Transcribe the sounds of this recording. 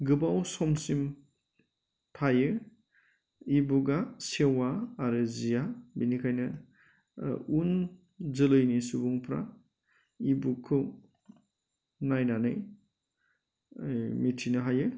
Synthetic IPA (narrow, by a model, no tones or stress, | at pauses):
ɡɯbawsɔmsim | pʰajɯ | ibuɡasewaːɾɯzijabinikʰajnɯ | un | zɯlɯjnisubuŋpʰɾa̰ | ibukʰːɯw | najnanɯj | mitʰinɯɦajɯ